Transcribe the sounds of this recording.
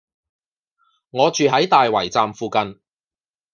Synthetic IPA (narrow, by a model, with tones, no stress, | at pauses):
ŋɔː˨˧t͡ʃyː˨ɦɐ˨˥jt̪aː˨jwɐ˨˩jt͡saː˨mfuː˨˧kɐ˨n